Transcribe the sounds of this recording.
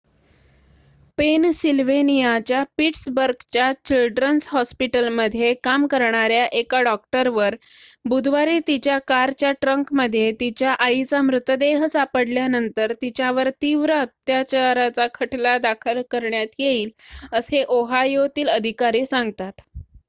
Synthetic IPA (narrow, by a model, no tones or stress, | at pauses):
pensilʋenijat͡ɕjapiʈsbəɾɡt͡ɕjat͡ɕilɖɾənsɦɔspiʈəlməd̪ʱːjekamkəɾɳaɾjaʔekaɖɔk̚ʈəɾʋəɾ | bud̪ʱʋaɾiːt̪it͡ɕjakaɾt͡ɕjaʈɾəŋkməd̪ʱːjet̪it͡ɕjaʔait͡samɾut̪əd̪eɦsapəɽljanənt̪əɾt̪it͡ɕjaʋəɾt̪iʋɾəət̪jat͡ɕaɾat͡sakʰəʈʰlad̪akʰəlkəɾɳjat̪jeiːləseʔoɦajot̪iːləd̪ʱikaɾiːsãŋɡt̪at̪